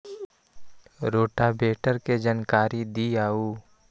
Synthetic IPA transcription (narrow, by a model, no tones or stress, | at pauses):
ɾoːʈabeːʈəɾked͡ʒaːnkaːɾid̪iaːuː